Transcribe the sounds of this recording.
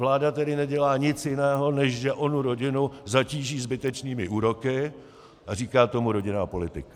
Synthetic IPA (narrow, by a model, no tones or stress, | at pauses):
vlaːdat̪ɛdɪnɛɟɛlaːɲɪt͡sjɪnɛːɦo̞nɛʃʒɛʔo̞nuɾo̞ɟɪnuzaciːʒiːzbɪt̪ɛt͡ʃniːmɪʔuːɾo̞kɪ | ʔariːkaːt̪o̞muɾo̞ɟɪnaːpo̞lɪt̪ɪkḁ